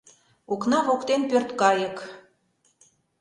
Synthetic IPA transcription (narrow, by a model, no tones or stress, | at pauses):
uknɑβokt̪enpørt̪kɑjək